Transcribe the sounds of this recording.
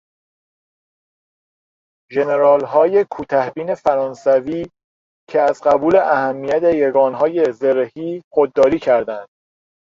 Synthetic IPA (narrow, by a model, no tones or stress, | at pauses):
ʒe̞ne̞ɾɒːlɦɒːje̞kʰuːt̪ʰæhbiːne̞fæɾɒːnsæviː | cʰeæzɢæbuːle̞ʔæhæmːijæt̪ʰejeɡɒːnɦɒːje̞zeɾhiːxod̪ːɒːɾiːcʰæɾd̪ænd̪̥